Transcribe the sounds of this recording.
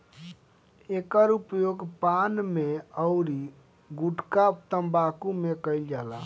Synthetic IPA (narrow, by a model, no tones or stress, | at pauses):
ekəɾupjoɡpanmeəʊɾi | ɡuʈkap̚t̪əmbakumekəjld͡ʒala